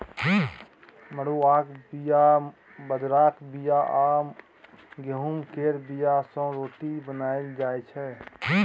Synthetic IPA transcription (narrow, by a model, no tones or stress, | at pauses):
məɽuaːkbija | bəd̪ɾaːkbijaʔaːm | ɡəɦumkeːɾbijasə̃ɾoːʈibənaːjeld͡ʒaːet͡ʃʰɛ